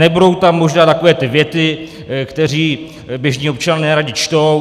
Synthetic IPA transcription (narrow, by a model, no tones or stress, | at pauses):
ɛbudo̞wt̪amːoʒnaːt̪ako̞vɛːt̪ɪvjɛt̪ɪ | kt̪ɛr̝iː | bjɛʒɲiːo̞p̚t͡ʃannɛːɾaɟɪt͡ʃt̪o̞w